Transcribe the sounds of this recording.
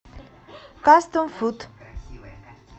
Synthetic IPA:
kast̪onfut̪

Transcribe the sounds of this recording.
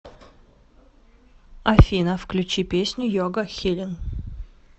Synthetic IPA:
ɐfʲinəfklʲʉt͡ɕipʲesʲnʲʊjoɡəxʲilʲɪn

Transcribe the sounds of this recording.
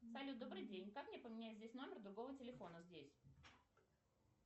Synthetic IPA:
salʲud̪o̞bɾɨjdʲenʲkakmnʲepəmʲɪnʲæɪt̪zʲdʲesʲno̞mʲɪrd̪ɾʊɡo̞vətʲɪlʲɪfo̞nəzʲdʲesʲ

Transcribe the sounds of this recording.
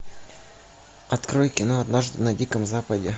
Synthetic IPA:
ɐt̪kɾojkʲɪnoɐd̪naʐd̪ɨnɐdʲikəmzapədʲɪ

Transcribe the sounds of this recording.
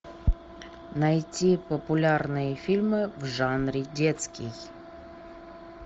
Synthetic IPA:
najtʲipəpʊlʲarnɨjəfʲilʲmɨvʐanɾʲɪdʲet̪skʲɪj

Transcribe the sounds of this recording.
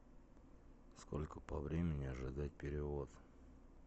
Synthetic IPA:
sko̞lʲkəpɐvɾʲemʲɪnʲɪɐʐɨd̪at̚ʲpʲɪɾʲɪvo̞t̪

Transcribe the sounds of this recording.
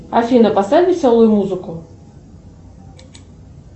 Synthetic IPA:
afʲinɐpasɛlʲisʲalˠujmuzɨku

